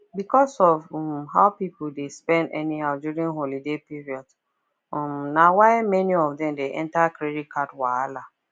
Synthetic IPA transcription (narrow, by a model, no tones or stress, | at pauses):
bikɔsɔvmhaʊpipudespɛ̃ndɛniɦaʊduɹĩnɦolidepiɹiɔd̥ | ɔmnawaɪmɛniɔvdɛ̃mdeʔɛ̃ntakɾedit̚kʰatwaala